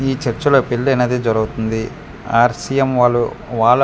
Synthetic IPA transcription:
iːt͡ʃɐɾt͡ʃɐloːpilːɐnɐd̪id͡ʒɔɾɐɡut̪und̪i | aːɾsijemʋaːlːu | ʋaːlɐ

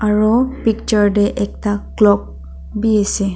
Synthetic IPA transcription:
aɹɔpik̚t͡ʃɔɹdɛʔɛk̚taklɔk̚ | bijɛsɛ

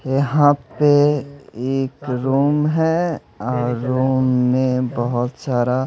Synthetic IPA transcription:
jəɦãpe | eːkɾuːmɦɛ | ɔːɾɾuːmːẽbəɦʊt̪saːɾa

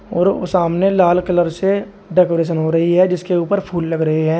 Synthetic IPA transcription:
ɔ̰ːɾo̰saːmnelaːlkələɾse | ɖɛːkoːɾeːʃ̬ənɦoɾɐɦiɦɛd͡ʒɪskeuːpəɾpʰuːlːɐɡɾɐɦeɦɛ̃ː

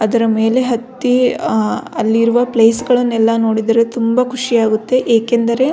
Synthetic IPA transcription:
ɐd̪ɐɾɐme̞ːle̞ɦɐt̪ːi | ɐlːiɾuʋɐpleːsɡɐɭɐnːɛlːɐno̞ːɽid̪ɐɾe̞t̪umbɐkʰuʂijaːɡut̪ːe̞ʔeːkend̪ɐɾe̞

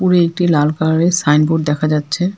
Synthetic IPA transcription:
puɾeek̚ʈilalkaesajnboɖ̚d̪ɛkʰad͡ʑatːɕʰe

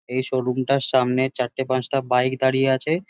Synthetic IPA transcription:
ejʃoɾumʈaɾʃamneɾt͡ɕaʈːepãsʈabajkd̪aɽijeat͡ɕʰe

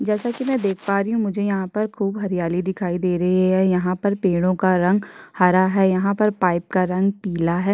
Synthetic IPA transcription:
d͡ʒɛːsakimɛ̃d̪eːkʰpaːɾiɦũmʊd͡ʒʱejɐɦãpɐɾkʰuːbɦɐɾijaːlid̪ɪkʰaːid̪eːɾɐɦiɦɛjɐɦãpɐɾpeːɽ̃õkaɾɐ̃ŋɡhaːɾaɦɛːjɐɦãpɐɾpaːɪp̚kaɾɐ̃ŋɡ̚piːlaɦɛː

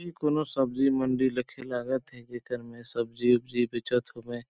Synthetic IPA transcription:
ikoːnosəbzimə̃ɳɖiləkʰelaːɡət̪ɦɛd͡ʒeːkəɾmẽsəbziʊbd͡ʒibɪt͡ʃət̪ɦobẽː

